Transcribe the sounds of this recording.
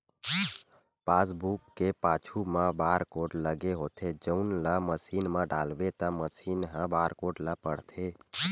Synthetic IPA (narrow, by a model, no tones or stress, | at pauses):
paːsbukːepat͡ʃʰumãbaːɾkoːʈləɡeɦot̪ʰed͡ʒəʊnləməsinmãɖalʋet̪əməsinɦãbaːɾkoʈləpəɽ̤t̪ʰe